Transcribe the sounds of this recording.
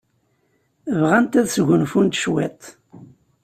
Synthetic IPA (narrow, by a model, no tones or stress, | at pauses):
əvʁænt̪æðsʝʷənfunt̪ʃwḛt̪ˤ